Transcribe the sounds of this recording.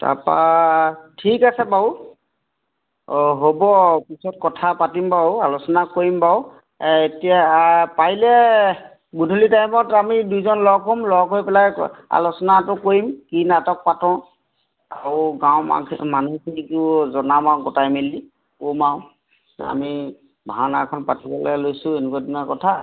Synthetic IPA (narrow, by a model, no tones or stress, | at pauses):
ta̰pa̰ | tʰikasɛbau | ɦobɔpisɔt̚kɔtʰapatimbaʊalusɔnakoɹimbaʊ | etijapailɛ | ɡudʱulitajmɔtamidujzɔnlɔɡɦomlɔɡɦojpɛlaja̰lusɔnatʊkoimkinatɔk̚patɔ̃ | aɹʊɡaʊ̃ma̰manukʰinikʊzɔnamawɡɔtajmili | komaʊ̃ | a̰mi | bʱaanakʰɔnpatibɛlɛlojsʊenukadinɔkɔtʰa